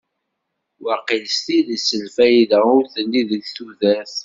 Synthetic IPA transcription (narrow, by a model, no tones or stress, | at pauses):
waqilst̪iðisəlfæjðæʊɾθənːiðəçθuðæθ